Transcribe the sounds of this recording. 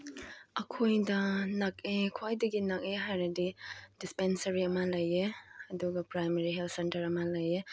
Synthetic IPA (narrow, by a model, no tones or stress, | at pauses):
ɐkʰojdɐnɐk̚ekʰwajdɐɡinɐk̚eɦajɾɐdid̥ispensɐɾiɐmɐlɐjeɐduɡɐpɾajmeɾiɦeltʰsentɐɾɐmɐlɐje